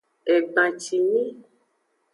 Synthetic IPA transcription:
e˨ɡ͡bã˨t͡ʃi˨ɲĩ˦

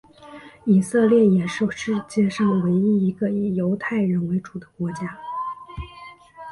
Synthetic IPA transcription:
i˨˩sɤ˥˧ljɛ˥˩jɛ˨˩ʂo˥˩ʊʂɻ̩˥˩t͡ɕjɛ˥ʂɑ˥˩ŋwe˧˥ɪi˥i˧˥ɡə˧˨˩jo˧˥ʊt̪ʰa˥˩ɪɻə˧˥nwe˧˥ɪʈ͡ʂu˨˩d̪ə̥˦kwɔ˧˥t͡ɕja˥

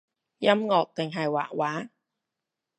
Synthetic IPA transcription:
jɐ˥mŋɔː˨˧k̚t̪ɪ˨˩ŋɦɐ˨jwa̰ː˨˩k̚waː˨˥

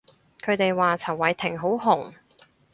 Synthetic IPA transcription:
kʰɵ˨˧ɥt̪e˨jwaː˨t͡sʰɐ˨˩wːɐ˨˧jt̪ʰɪ˨˩ŋɦo˨˥wɦʊ˨˩ŋ

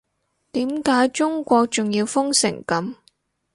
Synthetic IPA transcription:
t̪iː˨˥mkaː˨˥jt͡sʊ˥ŋkʷɔː˧k̚t͡sʊ˨˩ŋjiː˧wfʊ˥ŋsɪ̰˨˩ŋkɐ˨˥m

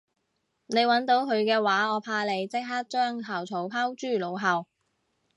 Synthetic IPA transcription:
ne˨˧jwɐ˨˥nt̪o˨˧˥wkʰɵ˨˧ɥkɛː˧waː˨˥ɔː˨˧pʰaː˧le˨˧jt͡sɪ˥k̚ɦaː˥k̚t͡ʃœː˥ŋɦɐ˨˩wt͡sʰo˨˥wpʰaː˥wt͡ʃyː˥˩lo˨˧wɦɐ˨w

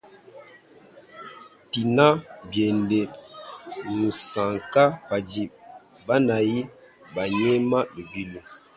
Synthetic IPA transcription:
ti˨na˦bje˨nde˨ | nu˨sa˨ŋka˦ba˨d͡ʒi˨p̚ | ba˦na˨ji˦ | ba˨ɲe˦ma˦mi˨bi˦lu˦

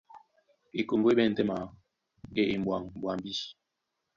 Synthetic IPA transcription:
i˨ko˨ŋɡwe˦ɓɛ˦˨n̩˨tɛ˦ma˨ | e˦i˨m˨bwa˨ŋbwa˨mbi˦

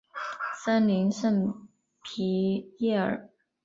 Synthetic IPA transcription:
sa˥nli˧˥nʂə˥˩n | pʰi˧˥jɛ˥˩ə̰˞˨˩

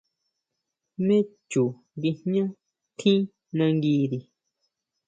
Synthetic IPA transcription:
mẽ˦ | t͡ʃu˨ | ŋɡi˧hɲã˦ | t̪ʰĩ˦ | nã˧ŋɡiː˧ði˨

